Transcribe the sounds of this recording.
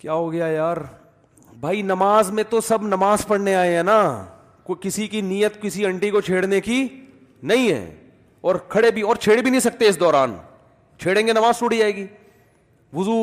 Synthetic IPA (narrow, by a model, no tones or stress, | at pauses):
kjaːɦoɡɐjajaːɾ | bʱaːinɐmaːzmẽt̪osɐbnɐmaːzpɐɽneaːeɦɛ̃ːna | kokɪsikinijət̪kɪsiɐ̃ɳʈikot͡ʃʰeːɽneki | nɐɦĩɦɛ̰ː | ɔːɾkʰɐɽebʱiɔːɾt͡ʃʰeːɽebinɐɦĩsɐk̚t̪eɪs̬d̪ɔːɾaːn | t͡ʃʰeːɽẽːŋɡenɐmaːzt͡ʃʊɽid͡ʒaːeːɡiː | ʋʊzu